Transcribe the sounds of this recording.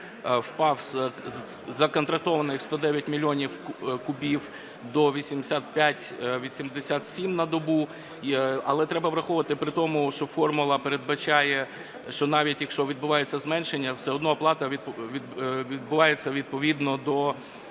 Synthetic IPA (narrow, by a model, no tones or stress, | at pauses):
wpɑwz | zɐkɔnt̪ɾɐk̚t̪ɔʋɐnɪxst̪ɔd̪ɛʋʲjɐtʲmʲilʲiɔnʲiwkʊbʲiw | d̪ɔʋʲisʲimd̪esʲat̪̚pʲjatʲʋʲisʲimd̪esʲat̪sʲimnɐd̪ɔbu | ɐlˠɛt̪ɾɛbɐʋɾɐxɔʋʋɐt̪ɪpɾɪt̪ɔmʊʃt͡ʃɔfɔrmʊlˠɐpeɾe̞d̪bɐt͡ʃɑjɛ | ʃt͡ʃɔnɑʋʲitʲjɐkʃt͡ʃɔʋʲid̪̚bʊʋɑjet͡sʲːɐzmɛnʃenʲːɐwsɛɔd̪nɔplˠɑt̪ɐʋʲid̪ʋʲid̪̚bʊʋɑjet͡sʲːɐʋʲid̪̚pɔʋʲid̪nɔd̪ɔ